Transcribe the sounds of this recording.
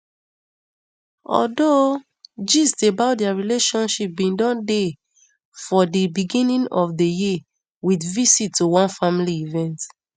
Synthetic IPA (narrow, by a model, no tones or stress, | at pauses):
ɔ̰do | d͡ʒisdebaʊdɛaɹileʃɔ̃nʃip̚bĩndɔ̃nde | fɔdəbiɡĩnĩnɔfdəji | witvisitʰːuwɔ̃nfamiliivɛ̃nt